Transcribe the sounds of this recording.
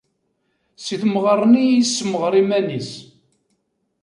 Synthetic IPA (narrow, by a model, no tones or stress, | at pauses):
siθməʁərˤːnijisːəməʁɾˤimænis